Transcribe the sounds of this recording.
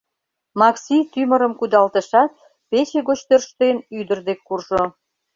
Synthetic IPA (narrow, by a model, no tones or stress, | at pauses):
mɑksʲit̪ymə̆ɾəmkud̪ɑlt̪əʃɑt̪̚ | pet͡ɕeɣot͡ɕt̪ørʃt̪enyd̪ərd̪ekːurʒo